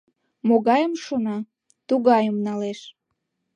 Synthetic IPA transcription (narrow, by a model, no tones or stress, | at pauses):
moɣɑjəmʃonɑ | t̪uɣɑjəmnɑleʃ